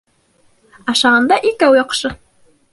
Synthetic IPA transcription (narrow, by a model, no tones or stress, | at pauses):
ɑʃɑʁɑnd̪ɑʔikæwjɑqʃɤ